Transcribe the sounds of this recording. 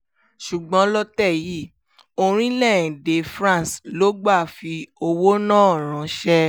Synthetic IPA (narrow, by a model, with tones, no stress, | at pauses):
ʃu˨ɡ͡bɔ̃˨˦lɔ˦tɛ˦˨ji˦˨ | o˧ɾ̃ĩ˦lɛ̃˦˨de˨˦fɾã˦˨slo˨˦ɡ͡ba˦˨fi˧o˧wo˦nãː˦ɔ˨ɾ̃ã˨˦ʃɛ˦